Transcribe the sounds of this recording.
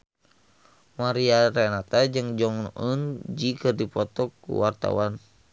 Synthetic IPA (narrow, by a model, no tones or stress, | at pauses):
maɾiaɾɛnat̪ad͡ʒɨŋd͡ʒɔŋʔənd͡ʒikɨrdipɔt̪ɔkːṵwart̪a̰wan